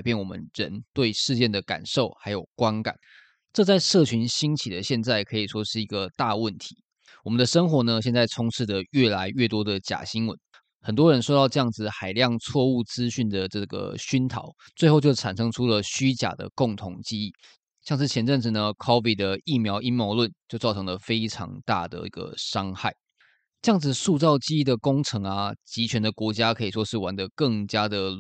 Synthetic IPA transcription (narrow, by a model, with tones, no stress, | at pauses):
ɪpjɛ˥˩nwɔ˨˩mə̰˦nɻə˧˦nt̪we˥˧ɪʂɻ̩˥˧t͡ɕjɛ˥˩nd̪ə˩ka̰˨˩nʂo˥˩ʊxa˧˥ɪjo˨˩ʊkwa˦˥nka̰˨˩˦n | ʈ͡ʂɤ˥˧t͡sa˥˧ɪʂɤ˥˩t͡ɕʰy˧˥nɕi˥nt͡ɕʰi˨˩d̪ə˦ɕjɛ˥˧nt͡sa˥˩ɪkʰɤ˧˥i˨˩ʂwɔ˥ʂɻ̩˥˩i˧˥ɡə˧t̪a˥˧wə˥˩nt̪ʰi˧˦ | wɔ˨mə˨nd̪ə˧ʂə˥ŋxwɔ˧˥nə˧ɕjɛ˥˧nt͡sa˥˩ɪt͡sʰʊ˧˥ŋt͡s̩ʰ˥˩d̪ə˩ɥɛ˥˩la˧˥ɪɥɛ˥˩t̪wɔ˥d̪ə˨t͡ɕja̰˨˩ɕi˥nwə̰˧˦n | xə˨˩nt̪wɔ˥ɻə˧˦nsʂo˥ʊt̪ɑ˥˧ʊʈ͡ʂɤ˥˧jɑ˥˩ŋd͡zɹ̩˨˩xa˨˩ɪljɑ˥˧ŋt͡sʰwɔ˥˧u˥˩t͡sɹ̩˦ɕy˥˩nd̪ə˩ʈ͡ʂɤ˥˩ɡə̰˩ɕy˥nt̪ʰɑ̰˨˦ʊ | t͡swe˥˧xo˥˧ʊt͡ɕjo˥˩ʊa˨˩nʂɤ˥ŋʈ͡ʂʰu˥lə˨ɕy˥t͡ɕja̰˨˩d̪ə̰˩˦kʊ˥˩ŋt̪ʰʊ˧˥ŋt͡ɕi˥i˥˩ | ɕjŋʂɻ̩˥˩t͡ɕʰjɛ˧˥nʈ͡ʂə˥˧nʈ͡ʂɻ̩˨˩nə˩kʰɔ˥vi˨˩d̪ə˩i˥˩mjɑ˧˥ʊʔi˥nmjo˧˥ʊlwə˥˧˨nt͡ɕjo˥˧ʊt͡sɑ˥˩ʈ͡ʂʰɤ˧˥ŋlə˧fe˥ɪʈ͡ʂʰɑ̰˧˥ŋt̪a̰˥˩d̪ə̰˩ḭ˥˩ɡə̰˩ʂɑ˥ŋxa˥˩ɪ | ʈ͡ʂɤ˧jɑ˥˩ŋd͡zɹ̩˨˩ʂu˥˧t͡sɑ˥˩ʊt͡ɕi˥i˥d̪ə˨kʊ˥ŋʈ͡ʂʰɤ˧˥ŋɐ˨t͡ɕi˧˥t͡ɕʰɥɛ˧˥nd̪ə˨kwɔ˧˥t͡ɕja˥kʰɤ˧˥i˨˩ʂwɔ˥ʂɻ̩˥˩wa˧˥nd̪ə˧kɤ˥˩ŋt͡ɕja˥d̪ə˨